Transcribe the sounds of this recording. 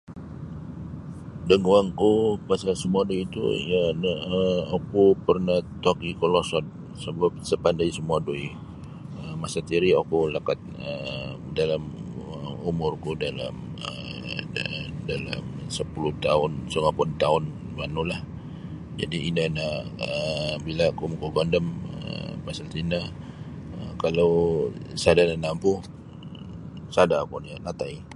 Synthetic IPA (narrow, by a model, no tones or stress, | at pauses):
dəŋuaŋkupasasəmuaduiit̪ṵjanaəokupərnat̪akikolɔsɔt̪̚ | səbap̚səpandaisəmuadoi | əmasat̪iɾiokulakat̪̚ə | dalaməumʊrkudala̰mə | dala̰msəpuluht̪aʊnsuŋapʊnt̪aʊn | manulah | d͡ʒa̰diinənaʔəbilakumkɔɡɔndəmə̰masat̪inə | əkalawsadananampuh | sadakɔnianat̪ai